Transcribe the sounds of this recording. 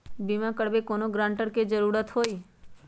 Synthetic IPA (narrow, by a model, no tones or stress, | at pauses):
bimãkəɽbekoːnoɡɾãːɳʈəɾked͡ʒəɾuːɾət̪ɦoːi